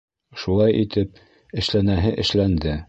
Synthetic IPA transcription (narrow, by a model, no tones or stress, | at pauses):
ʃulˠɑjʔit̪ʰɘp̚ | ɘ̆ʃlænæɦɘʔɘ̆ʃlænd̪ɘ